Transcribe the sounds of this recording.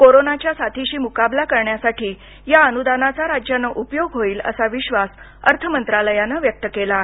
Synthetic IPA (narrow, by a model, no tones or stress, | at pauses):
koɾonat͡ɕjasat̪ʰiɕiːmukablakəɾɳjasaʈʰiː | jaənud̪anat͡saɾad͡ʑjanəʔupjoɡɦoiːlə̰saʋiɕʋas | əɾt̪ʰəmənt̪ɾaləjanəʋjək̚t̪əkela